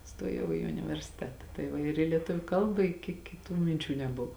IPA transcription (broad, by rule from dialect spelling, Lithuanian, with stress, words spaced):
ˈstoːjɛʊ ɪ ʊnʲɪʋʲɛrʲsʲɪˈtʲæːtɐ tɐɪ ˈʋɐ ɪr ɪ lʲiɛˈtʊʋʲʊ ˈkɐlˠbɐ ɪ kʲɪ kʲɪˈtuː mʲɪnʲˈt͡ʃʲuː nʲɛˈbʊʋoː